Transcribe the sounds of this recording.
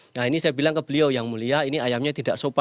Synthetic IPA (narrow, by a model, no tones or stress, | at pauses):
nainisajabilaŋkəb̥əliojaŋmuliainiajamɲat̪idaʔsopa